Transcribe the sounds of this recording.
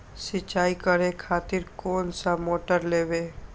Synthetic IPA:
sɪt͡ʃaːikəɾẽkʰaːt̪ɪɾkoːnsamoːʈəɾleːbeː

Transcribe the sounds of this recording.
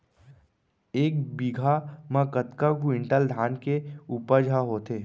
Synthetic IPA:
eːkbiɡʱamãkət̪kakuɪ̃ɳʈəld̪ʱaːnkeupəd͡ʒʱaɦoːt̪eː

